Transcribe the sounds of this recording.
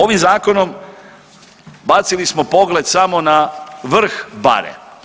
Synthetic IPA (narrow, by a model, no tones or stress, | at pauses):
o̞ʋimzaːko̞no̞m | bat̪silismopo̞ɡled̪samo̞naʋr̩xba̰ɾḛ